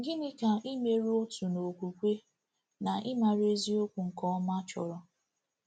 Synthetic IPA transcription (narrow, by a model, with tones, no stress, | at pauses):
ŋ̩˦ɡɪ˦nɪ˦ka˨i˦me˦ɾo˦tu˨no˨kʷu˨kʷe˦ | na˨ʔɪ˦ma˨ɾe˦zi˦o˦kʷu˨ŋ̩˨kɔ˦ma˦t͡ʃɔ˨ɾɔ˦